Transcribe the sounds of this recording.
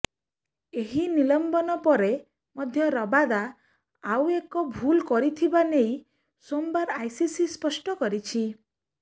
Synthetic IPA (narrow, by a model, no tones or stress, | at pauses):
eɦinilɔmbɔnɔpɔɾe | mɔd̪ʱjɔɾɔbad̪a | awekɔbʱulkɔɾit̪ʰibanej | sombaɾajsisispɔsʈɔkɔɾit͡ʃʰi